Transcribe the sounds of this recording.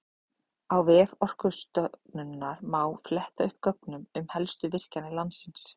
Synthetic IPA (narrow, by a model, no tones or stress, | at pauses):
awvɛːvɔr̥kʏst̪œpnʏnːaɾmaːwflɛht̪aʏhp̚kœknʏmʏmhɛlst̪ʏvɪr̥canɪlant̪sɪns